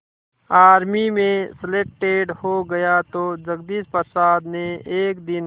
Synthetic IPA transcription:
aːɾmimẽsɪleːk̚ʈeːɖhoɡɐjat̪od͡ʒɐɡd̪ispəsaːd̪neeːkd̪ɪn

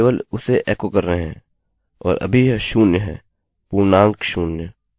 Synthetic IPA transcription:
ʋəlʊseʔɛːkokɐɾːəeɦɛ̰̃ː | ɔːɾʔɐ̰bʱiɦʃuːnjəɦɛ̰̃ː | puːɾnãːŋkʃuːnjə

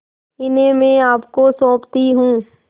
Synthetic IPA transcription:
ɪnẽmẽaːpkosɔ̃ːpt̪iɦũː

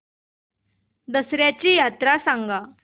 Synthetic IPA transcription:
d̪əsɾjat͡ɕiːjat̪ɾasãŋɡa

